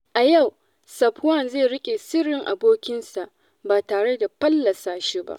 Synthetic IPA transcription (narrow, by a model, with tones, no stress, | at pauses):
ʔa˨ja˦˨w | sɐ˨pwɐ˦˨nzeː˦˨ɽɪ˦kʲʼeː˨sɪ˦ɽɪ˨ŋʔa̰˨boː˦kʲɪ˦nsa˨ʔ | baː˨taː˨ɽe˦da˨ɸɐ˦lːɐ˨saː˦ʃi˦ba̰˦ʔ